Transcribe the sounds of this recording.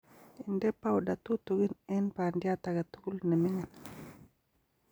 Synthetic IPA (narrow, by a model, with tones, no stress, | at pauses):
i˨ndɛ˦pːawɗa˨tu˦tu˨ɡi˦nɛnpa˨ndijataɡa˨tu˦ɡu˦lne˨mi˦ŋan